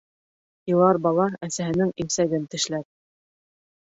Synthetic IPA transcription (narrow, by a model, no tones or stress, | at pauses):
jɤ̆lˠɑɾbɑlˠɑæsæɦɘ̆nɘŋimsæɡɘnt̪ɘ̆ʃlæp̚